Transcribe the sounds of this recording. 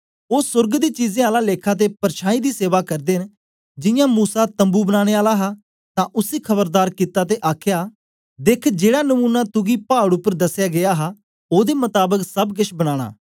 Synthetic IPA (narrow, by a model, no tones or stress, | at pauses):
oːsʊɾɡd̪iːt͡ʃiːzẽːaːlaːleːkʰaːt̪̬eːpəɾʃãːĩːd̪iːseːʋaːkəɾd̪eːn | d͡ʒɪjãːmuːsaːt̪ə̃mbuːbənaːɽ̃eːaːlaːɦaː | t̪ãːʔʊsiːkʰəbəɾd̪aːɾkɪt̪aːt̪̬eːʔaːkʰjaː | d̪ekʰd͡ʒeːɽaːnəmũːnat̪ʊɡiːpaːɽʊpːəɾd̪əsːjaːɡɪjaːɦaː | oːd̪eːmʊt̪aːbəksəbɡɪʃbəɽ̃aːɽ̃a̰ː